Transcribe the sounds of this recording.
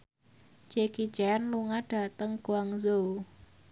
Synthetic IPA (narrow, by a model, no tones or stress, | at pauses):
d͡ʒ̥eki̥d͡ʒɛnluŋaɖ̥a̤t̪əŋɡ̥oaŋzou